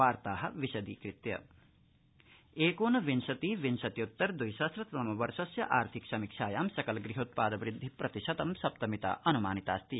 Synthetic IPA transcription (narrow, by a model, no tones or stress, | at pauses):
aːɾt̪aːɦɐ̆ʋiʃɐd̪ḭːkɾit̪jɐ̰ | eːkoːnɐʋinʃɐt̪iːʋinʃɐt̪jut̪ːɐɾd̪ujsɐsɾɐt̪ɐmɐʋɐɾʃɐsjɐʔaːɾt̪ʰiksɐmikʂaːjaːmsɐkɐlɡɾiɦoːt̪̚paːd̪ɐʋɾɪd̪ʱːipɾɐt̪iʃɐt̪ɐmsɐp̚t̪ɐmit̪ɐ̰ʔɐnumaːnit̪aːst̪i